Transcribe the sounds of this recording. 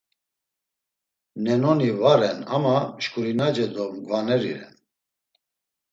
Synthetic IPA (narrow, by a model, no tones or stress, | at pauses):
nɛnɔnivaɾɛna̰maʃkʰʼuɾinad͡ʒɛd̪ɔmɡvanɛɾḭɾɛ̰n